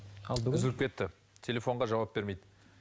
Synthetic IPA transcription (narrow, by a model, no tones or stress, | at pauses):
ɪzɪɪp̚kʲʰe̞t̪ːɪ | t̪ʲʰe̞lʲe̞fo̞ɴʁɑʒɑwɑp̚be̞ɾme̞jd̪ɪ